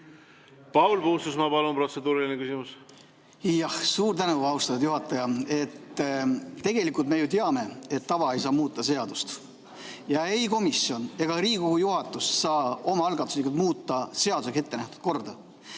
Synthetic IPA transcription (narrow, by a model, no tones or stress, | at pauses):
pɑwlpuhust̪usmɑpɑlunpro̞t̪se̞d̪uːɾilinekysʲimus | jɑhsuːɾt̪ænuɑuwst̪ɑt̪ud̪̥juɦɑt̪ːˑɑjɑe̞t̪ː | t̪e̞ɡ̥e̞likˑult̪me̞jut̪eɑme̞et̪ːɑvɑe̞jsɑːmuːt̪ˑːɑse̞ɑd̪ust̪ | jɑe̞jko̞misjo̞ne̞ɡ̥ɑɾiːkoɡujuɦɑt̪ːˑussɑːo̞mɑɑlɡɑt̪ːˑu̥slikult̪muːt̪ːˑɑse̞ɑd̪u̥seks̬e̞t̪ːe̞næht̪ud̪̥̚ko̞rd̪̥ɑ